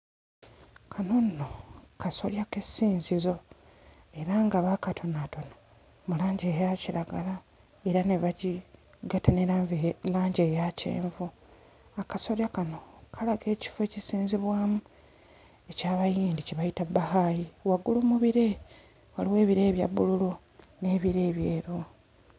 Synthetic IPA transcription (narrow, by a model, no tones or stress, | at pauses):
kʰano̞nːo̞kaso̞̰ljakesiːnzizo̞ | e̞ɾaŋɡaβakatʰo̞nato̞na | mulaːɲɟe̞jaciɾaɡala | e̞ɾaneβaɟi | ɡatanelaːɲɟe̞ːjacḛːɱvu | akaso̞ɾjakano̞kʰalaɡe̞ːci̥fe̞ːcisiːnziβwaːmu | e̞caːβajiːndiceβajitabːahajiwaɡuluːmuβiɾe̞ | waliwe̞ːβiɾe̞ːβja̰bːululu | ne̞ːβiɾe̞ːβjeːɾo